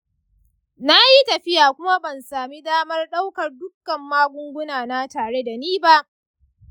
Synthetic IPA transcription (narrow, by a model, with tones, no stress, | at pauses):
na˦ji˦tɐ˨ɸɪ˦jaː˨kʷʊ˦ma˦bɐ˨nsaː˨mi˦daː˦mɐ˦rɗa˦wkɐ˨rdʊ˦kːɐ˨mːaː˦ɡʷʊ˦ŋɡʷʊ˦naː˨na˦taː˨ɽe˦da˨niː˦ba˦ʔ